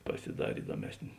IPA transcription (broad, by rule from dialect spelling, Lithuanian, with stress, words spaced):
pɐsʲɪˈdɑːrʲeː ˈɪdoːmʲɛsʲnʲeː